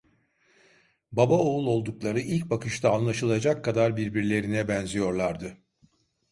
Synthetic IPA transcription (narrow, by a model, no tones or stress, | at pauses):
babaoulˠo̞lˠd̪uklˠaɾɯilʲcbakʰɯʃt̪ʰaːnlˠaʃɯlˠad͡ʒakʰːad̪aɾbiɾbiɾlʲe̞ɾinɛbɛnzijo̞ɾlˠaɾd̪ɯ